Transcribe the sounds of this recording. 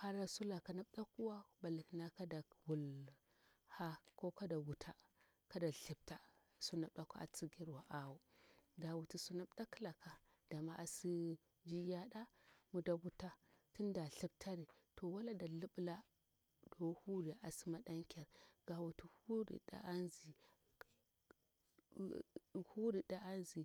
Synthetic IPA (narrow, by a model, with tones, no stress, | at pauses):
ha˦ɾa˦su˦la˨ka˨na˨ɓda˦ku˦wa˦ba˨la˨kna˦ka˦da˨wu˨l | ha˦ko˦ka˦da˨wu˨tʰa˦ | ka˦da˨ɬi˨b̚ta˦ | su˦na˨bda˦ka˦a̰˨t͡si˦ɡi˦ɾwa˨ʔa˨wu˦da˨wu˨ti˨su˦na˦bda˦ki˦la˨ka˨ | d̥a˨ma˦ʔa˨si˦ | d͡ʒi˦ja˦ɗa˦mu˨da˨wu˨ta˦ti˦nda˨ɬi˦b̚tʰa˦ɾi˨ | to˨wa˦la˦da˨li˦ɓla˦ | do˨whu˦ɾi˨ʔa˨si˦ma˦ɗa˦ŋkʲa˨ɾɡ̥a˨wu˨tu˨hu˦ɾḭ˨da̰˦a˦nzi˨ | hu˦ɾi˨da˦ʔa˦nzi˨